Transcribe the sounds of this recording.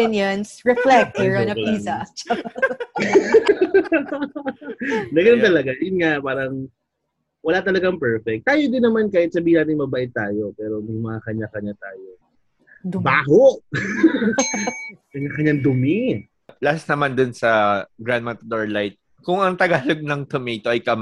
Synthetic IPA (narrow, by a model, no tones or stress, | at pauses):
ɪnjɐnsɹɛflɛk̚t̪ɛɹɔnɐisɐt͡ʃ | nɐɡɐnɐnt̪ɐlɐɡajʊnŋaʔpaːɾɐŋ | wɐlat̪ɐlɐɡaŋpɛɹfɛk̚t̪ːaːjod̪ɪnːɐmankaːʔɪt̪sɐbiːhɪnaːt̪ɪŋmɐbaʔɪt̪̚ːaːjo̞pɛːɾo̞jʊŋmɐŋakɐɲːakɐɲat̪aːjo | baːɦoʔ | kɐɲːakɐɲːand̪ʊmɪ | plassnɐmand̪ʊnsɐɡɾand̪̚mat̪ɐd̪oɹlajt̪̚ | kʊŋɐŋt̪ɐɡaːloɡ̚nɐŋt̪omɛjt̪oʔɐjkɐm